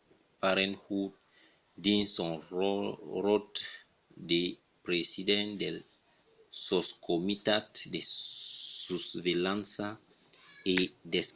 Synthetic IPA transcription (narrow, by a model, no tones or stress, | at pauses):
paɾẽnhut̚ | d̪ĩnsõ | rot̪ | d̪e | pɾesidẽnd̪el | soskomit̪at̪de | susvelãnsa | edes